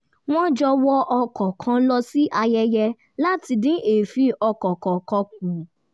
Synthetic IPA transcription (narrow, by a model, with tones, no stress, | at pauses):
w̃ɔ̃˦d͡ʒɔ˧wɔ˦ʔɔ˧kʰɔ˨kʰã˨˧˦lɔ˧si˦ʔa˧jɛ˧jɛ˧ | la˦ti˧dĩ˦ʔe˨fi˧˦ɔ˧kɔ˨kɔ˨kɔ̃˧k̚ũ˨